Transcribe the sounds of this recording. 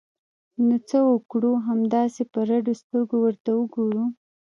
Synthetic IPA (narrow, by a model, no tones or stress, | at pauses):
nut͡səwəkɽuɦamd̪ɑsepəɾaɖost̪əɾɡowəɾt̪awəɡoɾu